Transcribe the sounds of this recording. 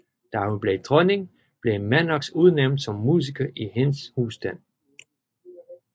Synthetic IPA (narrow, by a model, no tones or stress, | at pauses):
d̥æhunb̥le̝d̥ʰʁɔne̝ŋ | b̥le̝mænɒɡ̥suð̞ˠneʊ̰nd̥sɒ̽mːuːs̬ikʰɐʔihenshuːsd̥æn̰